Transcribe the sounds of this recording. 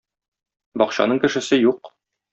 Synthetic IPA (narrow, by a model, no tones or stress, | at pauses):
bɒqɕɑ̰nɤɴkɘ̆ʃɘ̆sɘjuq